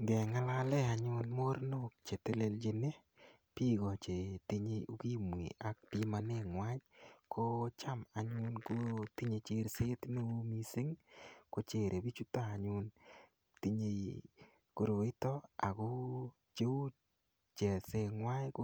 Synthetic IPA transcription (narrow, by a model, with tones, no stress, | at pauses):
ɡɛ˨ŋa˦la˦lɛ˦a˨ɲʊ˦nmo˦ɾno˦k̚t͡ʃe˨te˦le˧ld͡ʒe˨ne˦ | pi˦ɡɔ˨t͡ʃe˨ti˦ɲe˧o˨˦ki˦m˨ḭ˨a˨k̚pi˦ma˨ne˦ŋwa˦ɲko˦t͡ʃa˦ma˨ɲʊ˦nko˦ti˦ɲe˧t͡ʃe˦ɾse˦tne˦u˦mi˦se˦ŋko˦t͡ʃe˨ɾʔe˨bi˦t͡ʃu˦ta˦a˨ɲʊ˧n | ti˦ɲe˧ | ko˨ɾo˨ɪ˦tɔ˦a˨ko˦ | t͡ʃe˦u˦ | t͡ʃe˨se˧ŋwa˦jk